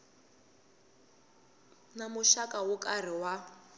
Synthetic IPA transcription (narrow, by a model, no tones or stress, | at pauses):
namʊʃakʼawʊkʼar̤iwa